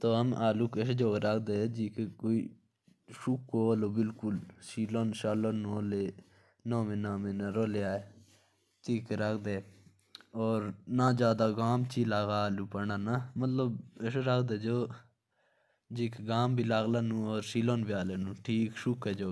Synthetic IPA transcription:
t̪oːəmaːluːkesed͡ʒoːɡɾəkʰd̪eːd͡ʒiːkekoːiː | ʃʊkːoːloːbɪlkʊlsiːloːnʃaːlaːnũːəleː | nõːmẽːnãːmẽːnaɾoːlejaːeː | t̪iːkɾəkʰd̪eː | ɔːɾnãːd͡ʒjaːd̪aːɡaːmt͡ʃiːlaːɡaːaːluːpəɳaːnamət̪ləbeseɾəkʰd̪eːd͡ʒoː | d͡ʒiːkeɡaːmbiːlaːɡlaːnũːɔːɾsiːloːnbiaːleːnũːʈʰiːkʃʊkɛːd͡ʒoː

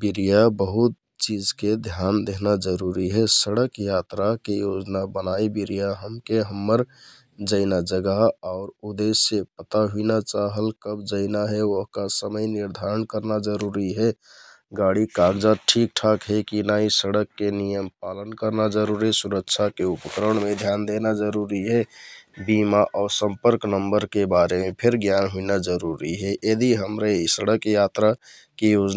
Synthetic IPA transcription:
biɾijabəɦut̪̚ | t͡ʃid͡ʒked̪ʱjand̪eɦnad͡ʒəɾuɾiɦɛsəɽəkjat̪ɾakejod͡ʒnabənaibiɾijaɦəmkeɦəmːəɾ | d͡ʒəɪnad͡ʒəɡəɦaʊɾud̪esːepət̪aɦuinat͡ʃaɦəlkəbd͡ʒəɪnaɦeoɦkasəməjniɾd̪ʱaɾənkəɾnad͡ʒəɾuɾiɦeɡaɽikaɡd͡ʒat̪̚ʈʰik̚ʈʰakɦekinaisəɽəkːenijəmpalənkəɾnad͡ʒəɾuɾisuɾəkt͡ʃʰakeupəkɾəɳmed̪ʱjand̪enad͡ʒəɾuɾiɦebimaʔɔɾsə̃mpəɾknəmbəɾkebaɾemepʰeɾɡjanɦuinad͡ʒəɾuɾiɦeʔed̪iɦəmɾeisəɽəkjat̪ɾa | kejod͡ʒ

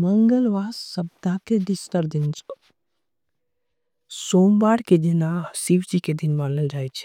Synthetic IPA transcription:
məŋɡəlʋaːsɐbd̪akeɖisʈəɾd̪int͡ʃʰo | soːmbaːɽked̪inasiʋd͡ʒiked̪inmanəld͡ʒaːjt͡ʃʰi̥

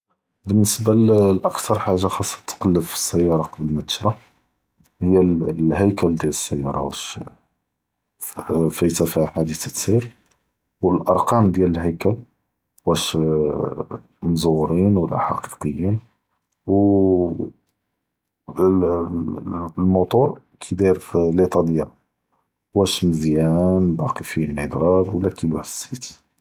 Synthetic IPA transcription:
bənːəsbalʔɑkt̪ʰɑɾˤħaʒːaxɑsˤːɑ̥t̪ːqɑlːəfə̥sːæjːɑɾˤɑqɑbəlmæt̪ə̥ʃɾˤɑ | həjːælhəjkæld̪jæləsːəjːɑ̰ɾˤɑ̰wæʃ | fæjt̪æfiħad̪it̪ət̪siɾ | wəlʔɑɾˤqɑmd̪jæləlhəjkæl | wæʃ | mzˤuwɾinwəlːa̰ħɑ̰qi̥qəjːin | w | lmut̪ˤuɾˤ | kʰid̪iɾflit̪ˤɑd̪əjːæ | wæʃməzjænd̪ˤɑqəfinid̪ɾˤɑɾwəlːækʰijħə̥sːit̪

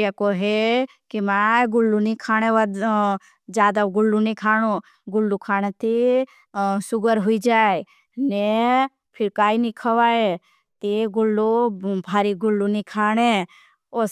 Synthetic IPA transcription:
jakoɦe | kimaːɡʊlːunikʰaːɽ̃eʋad̪ | d͡ʒjaːd̪aɡʊlːunĩkʰaːɽ̃ũ | ɡʊlːukʰaːñet̪i | sʊɡəɾɦʊid͡ʒaːe | ne | pʰɪɾkaːinĩkʰɐʋaːe | t̪iɡʊlːubʱaːɾiɡʊlːunikʰaːñe | o

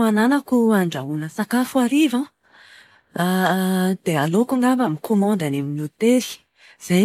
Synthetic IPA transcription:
ananakuaɳɖ͡ʐaunəsakafuaɾivã | d̪̥ealokuŋabamikʰomɑ̃nd̪aneminut̪eɾi̥ | z̥a

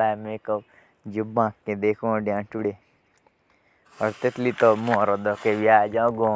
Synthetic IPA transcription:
aːmekɔ | d͡ʒubãkːẽd̪ekʰõɖjãʈuɽe | ɔɾt̪et̪lit̪ɔmũɾɔd̪ɔkeʋjad͡ʒãɡõ

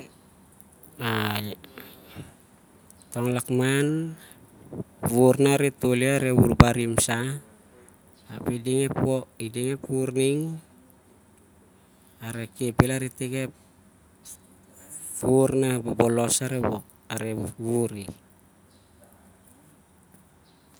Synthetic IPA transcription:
a | toŋlakman | βuɾnaɾetoleaɾeβuɾbaɾimsa | pediŋepoideŋe̞puɾniŋ | aɾekepelaɾetekep | βuɾnabobolosaɾeβok̚ | aɾeβuɾi

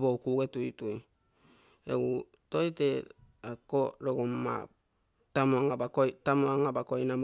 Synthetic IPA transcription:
bowkuɡetuituj | ḛɡu | tojte | akoɾoɡoma̰ | tamuaŋabakojtamuaŋabakojnam

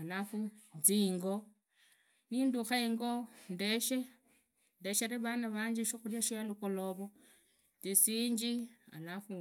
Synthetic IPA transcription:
alafud͡ziːŋɡo | ninduxeiŋɡondeʃe | ndeʃeɾeβanaβaɲd͡ʒiʃoxuljaʃijalukoloβo | d͡zisiːɲd͡ʒia̰lafu

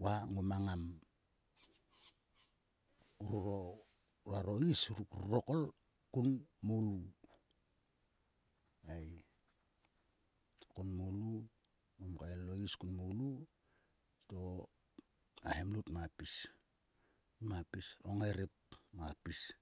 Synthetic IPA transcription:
waŋomaŋam | uɾuɾo | ɾaɾo̞isɾɾrokol | kunmolu | ej | kunmolu | ŋomkaeloiskunmolu | to̞ | ahemlutmapis | mapisoŋeɾep̚mapis

